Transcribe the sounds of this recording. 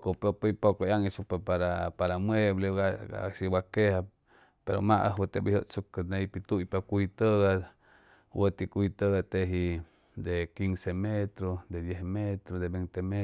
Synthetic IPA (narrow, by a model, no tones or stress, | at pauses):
kopepeipokojaŋisupepaɾapaɾamwebleɡaɡa̰siwakeha | peɾo̰maʔə̰ɦwət̪ebihjoʔsukəneipit̪uʔipakʷit̪əɡa | wət̪ikʷit̪əɡat̪eɦi | d̪ekiŋsemet̪ɾod̪ed̪jehmet̪ɾod̪ebent̪eme